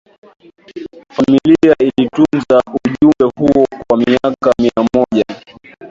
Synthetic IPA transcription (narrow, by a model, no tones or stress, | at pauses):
familiailitunzauʄumbɛhuɔkwamiakamiaɔʄa